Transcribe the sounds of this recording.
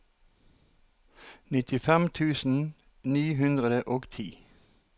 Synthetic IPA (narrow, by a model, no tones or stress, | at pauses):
nɪt̪ɪfɛmt̪ʰʉːsn̩ | nyːɦʉnd̪ʁəd̪əʔoːɡt̪ʰiː